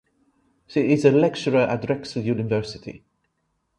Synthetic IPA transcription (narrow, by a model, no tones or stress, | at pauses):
ʃiɪzəlɛk̚t͡ʃəɹəʔətɹɛksəljʉːnɪvɜˑ˞sɪtʰḭ